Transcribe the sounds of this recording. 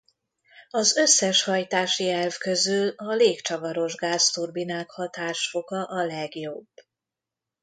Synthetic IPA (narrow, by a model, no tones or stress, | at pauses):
ɒzø̞sːɛʃhɒjt̪aːʃiɛlvkø̞zylɒleːkt͡ʃɒvɒɾo̞ʒɡaːst̪urbinaːkhɒt̪aːʃfo̞ɡɒʔɒlɛɡjo̞b